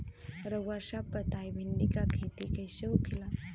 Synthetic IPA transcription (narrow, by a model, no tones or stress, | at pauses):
ɾəɡaɾʃapət̪ajbʱinɖikakʰit̪ikəjɕeukʰila